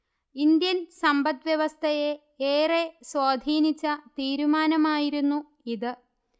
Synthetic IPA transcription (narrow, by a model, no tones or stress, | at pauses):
ind̪jɐnsɐmbɐt̪ʋjeʋɐst̪ʰɐje | eːreswaːd̪ʱiːnit͡ɕːɐt̪iːɾumaːnɐmaːjiɾunːu | iðɨ